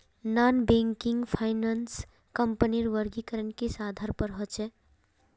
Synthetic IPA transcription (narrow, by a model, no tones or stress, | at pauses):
nanbeŋkiŋɡpʰaɪnans | kəmpəniɾʋəɾɡikəɾənkesad̪ʱaɾpəɾɦɔt͡ʃʰɛ